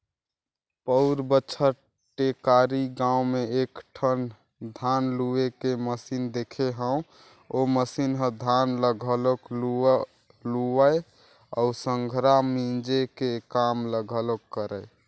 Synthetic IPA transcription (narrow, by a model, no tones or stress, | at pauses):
pəʊɾbət͡ʃʰəɾ | ʈekaɾiɡãumeekʈʰən | d̪ʱanluekeməsind̪ekʰeɦəũ | oməsinɦəd̪ʱanləɡʱəloklu | luəe | a̰usəŋɡʱɾamĩnd͡ʒekekamləɡʱəlokːəɾə